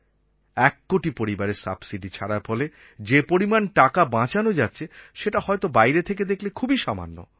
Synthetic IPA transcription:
ɛkːoʈipoɾibaɾeɾsa̰bsiɖit͡ɕʰaɽaɾfɔle | d͡ʑepoɾimanʈakabãt͡ɕanod͡ʑatːɕʰeʃeʈahɔet̪obajɾet̪ʰek̬ed̪ekʰlekʰubiʃama̰nːo̰

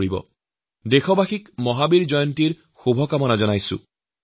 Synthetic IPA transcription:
ɹibɔ̰ | dexɔbaxikmɔɦabiɹzɔjɔntiɹ | xubʱɔkamɔnazɔnajsʊ̰̃

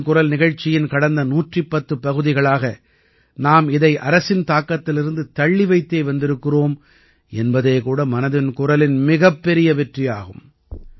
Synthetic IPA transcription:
kʊɾɐlnɪɣɐɻt͡ʃːɪjɪnkɐɽɐnd̪ɐnuːʈripːɐt̪ːɯpɐɣɯðɪɣɐɭaːɣɐ | naːmɪðɐɪʔɐɾɐsɪnt̪aːkːɐt̪ːɪlɪɾɯnd̪ɯt̪ɐɭːɪʋɐɪt̪ːeːʋɐnd̪ɪɾɯkːɯroːm | ʔɛnbɐðeːkuːɽɐmɐnɐðɪnkʊrɐlɪnmɪɣɐpːɛɾɪjɐʋɛʈrɪja̰ːɣɯm

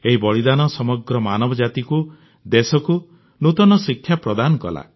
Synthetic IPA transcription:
eɦibɔɭid̪anɔsɔmɔɡɾɔmanɔbɔd͡ʒat̪iku | d̪esɔku | nut̪ɔnɔsikʰːjapɾɔd̪anɔkɔ̰la̰

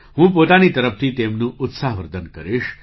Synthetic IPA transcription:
ɦũp̬ot̪anit̪əɾəp̚t̪ʰit̪emnũʔʊt̪saɦʋəɾd̪ənkəɾiʃ

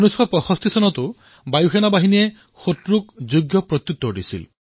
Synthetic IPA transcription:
nuskʰɔpɔxɔst̪isɔnɔt̪u | bajuxenabaɦinie | xotɾukd͡ʒuɡjɔpɾɔt̪jut̪ːɔɖḭsḭl

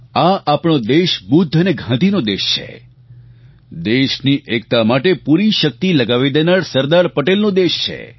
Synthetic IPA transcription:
aʔapɳ̃od̪eʃbud̪ʱːəneɡʱãd̪inod̪eʃt͡ʃʰḛ | d̪eʃniʔek̚t̪amaʈepuɾiʃək̚t̪iləɡaʋid̪enaɾsəɾd̪aɾpəʈelnõd̪eʃt͡ʃʰḛ

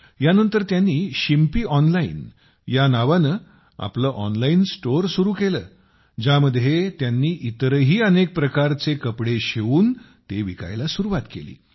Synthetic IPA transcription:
janənt̪əɾt̪janːiːɕimpiːʔɔnlaḭn | janaʋanəː | a̰pləːʔɔnlainsʈoɾsuɾuːkeləː | d͡ʑaməd̪ʱjet̪janːiːʔit̪ɾəɦiːənek̚pɾəkaɾt͡sekəpɽeɕeʋuːn | t̪eʋika̰jlasuɾuʋat̪kḛlḭː

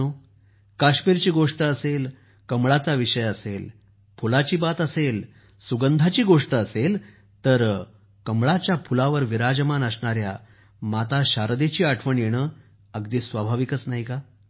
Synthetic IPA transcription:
o | kaɕmiːɾt͡ɕiːɡoʂʈəəsel | kəmɭat͡saʋiʂəjəsel | pʰulat͡ɕiːbat̪əsel | suɡənd̪ʱat͡ɕiːɡoʂʈəəsel | t̪əɾ | kəmɭat͡ɕjapʰulaʋəɾʋiɾad͡ʑəmanəsɳaɾja̰ | mat̪aɕaɾd̪et͡ɕiːaʈʰʋəɳjeɽ̃əː | əɡd̪iːsʋabʱaʋikət͡snaɦika

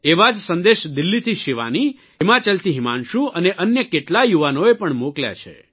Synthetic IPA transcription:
eʋad͡ʒsənd̪eʃd̪ɪlːit̪ʰiʃiʋa̰ni | ɦɪmat͡ʃəlt̪ʰiɦima̰nʃũʔəneʔənjəkeʈlajuʋanoepəɳmoklja̰t͡ʃʰḛ

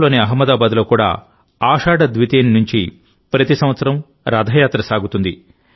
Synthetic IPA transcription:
lo̞ːniɐɦɐmːɐd̪aːbaːd̪lo̞ːkuːɽa̰ː | aːʂaːɖɐd̪ʋit̪eːnnuɲt͡ʃi | pɾɐt̪isɐ̃m̃ʋɐt̪sɐɾɐm | ɾaːd̪ʱajaːt̪ɾɐsaːɡut̪und̪i

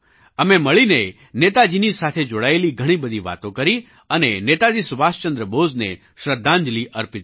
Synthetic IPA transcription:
əmeməɭine | net̪ad͡ʒinisat̪ʰed͡ʒoɽaeliɡʱəɽ̃ibəd̪ʱiʋa̰t̪õkəɾi | ənenet̪ad͡ʒisʊʋast͡ʃə̃nd̪ɾəbod͡znḛ | ʃɾəd̪ʱːãɲd͡ʒliʔəɾpit̪

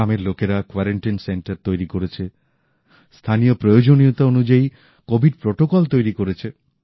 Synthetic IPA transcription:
ameɾlokeɾakwaɾeɳʈinseɳʈaɾt̪ojɾikoɾet͡ʃʰe | st̪ʰanijopɾojod͡ʒoniot̪aonud͡ʒai | kobʱiɖ̚pɾoʈokɔlt̪ojɾikoɾet͡ʃʰe

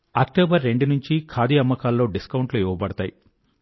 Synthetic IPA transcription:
ɐk̚ʈoːbɐɾːe̞ɳɖunuɲt͡ʃikʰaːd̪iɐmːɐkaːlːo̞ːɖiskɐwuɳʈloːiʋɐbɐɽɐt̪aːji

